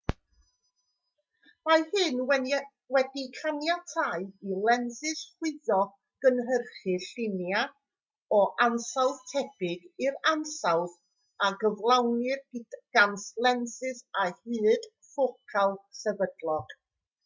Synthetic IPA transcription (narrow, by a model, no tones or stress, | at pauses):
majhɨnwɛ | wɛdikʰanjatʰaɨilˠɛnsɪsχwɪðɔ | ɡ̥ənɦərχɨɬɪnja | ɔʔansawð̥tʰɛb̥ɪɡɪɾansawð | aɡəvlˠawnɪrɡ̥anslˠɛnsɨsahɨːd̥ | fokʰalˠsɛvədlˠɔɡ̥